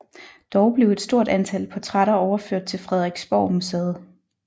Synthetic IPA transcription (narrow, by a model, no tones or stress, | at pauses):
d̥ɒʊb̥le̝ʊe̝d̥sd̥o̝ɐ̰d̥ænt͡sʰæl̰pʰɒ̽t͡sʰʁaɾɐɒʊɐføɐ̰d̥̚t͡sʰe̝lfʁɛð̞ˠʁɛɡ̥sb̥ɒ̰ʊmuseðˠ